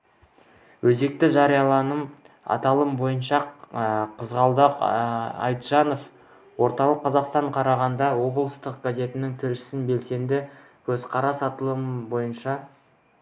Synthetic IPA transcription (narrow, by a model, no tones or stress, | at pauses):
wɵze̞k̚t̪ɪʒɑɾijɑlˠɑnəm | ɑ̰t̪ɑlˠəmbo̞jənʃɑ | qʰəzʁɑlˠd̪ɑqɑ̰jt̪ʒ̥ɑno̞f | wo̞ɾt̪ɑlˠəqʰːɑzɑqst̪ɑɴqʰɑɾɑʁɑnd̪ɑwo̞bəlˠəst̪əq̚ɡazʲe̞t̪ɪnɪŋt̪ʰɪlʃɪ̥sɪnbe̞lse̞nd̪ɪ | kʲʰɵzqʰɑɾɑsɑt̪əlˠəmbo̞jənʃɑ